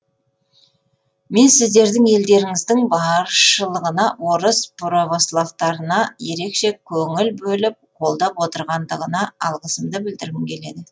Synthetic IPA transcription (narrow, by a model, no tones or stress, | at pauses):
me̞nsɪzd̪e̞ɾd̪ɪŋje̞ld̪e̞ɾɪŋɪzd̪ɪŋbɑɾʃəlˠəʁənɑwo̞ɾəsbʊɾoʁoslˠaft̪ɑɾənɑje̞ɾe̞kʃe̞kʲʰɵŋɪlbɵlɪp̚qʰo̞lˠd̪ɑpwo̞t̪əɾʁɑnd̪əʁənɑɑlˠʁəsəmd̪əbɪld̪ɪɾɪmkʲʰe̞le̞d̪ɪ